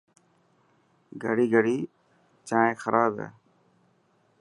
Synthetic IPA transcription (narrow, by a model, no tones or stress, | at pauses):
ɡəɽiːɡəɽiː | t͡ʃãːẽːxəɾʔaːbɛ̰ː